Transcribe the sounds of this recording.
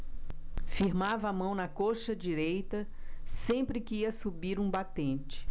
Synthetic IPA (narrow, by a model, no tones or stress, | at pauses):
fiɾmavɐːmɐ̃w̃nɐkoʃɐd͡ʒiɾejt̪ɐsẽpɾɪkɪiɐsubiɾũbat̪ẽt͡ʃɪ̥